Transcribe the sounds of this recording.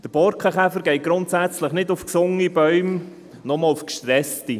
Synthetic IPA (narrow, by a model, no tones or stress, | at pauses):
d̥əɾb̥ɔɾkʰəχɛfəɾɡ̥ɛɪɡ̥ɾʊntsæt͡sləχnɪdʊfksʊŋibœʏm | nɔmɔlʊfkʃtɾɛsti